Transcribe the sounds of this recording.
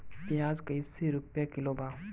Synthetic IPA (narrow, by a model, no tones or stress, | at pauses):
pijaːd͡ʒkɐisiɾʊpjakɪlobaː